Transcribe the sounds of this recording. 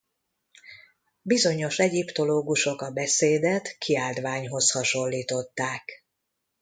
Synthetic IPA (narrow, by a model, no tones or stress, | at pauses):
bizo̞ɲo̞ʃɛɟipt̪o̞loːɡuʃo̞kɒbɛseːd̪ɛt̪kʰiaːld̪ʋaːɲɦo̞shɒʃo̞lːiːt̪o̞t̪ːaːk